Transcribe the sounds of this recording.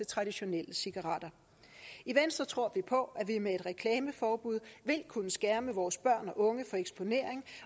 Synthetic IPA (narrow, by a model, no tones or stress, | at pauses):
e̝t͡sʰʁɑ̈d̥iɕo̝nel̰əsiɡ̥ɑʁɑ̈ːd̥ɐ | iʋensd̥ʁɐt͡sʰʁo̝ɐ̰ʋipʰɒ̽ʔæʋimee̝d̥ʁɛkʰlɛːməfɒːb̥uð̰ˠʋe̝lkʰunəsɡ̥æɐməʋɒːsb̥ɶɐ̰nɒ̽ʔɔ̽ŋəfɒ̽eɡ̥sb̥o̝ne̝̰ɐ̰e̝ŋ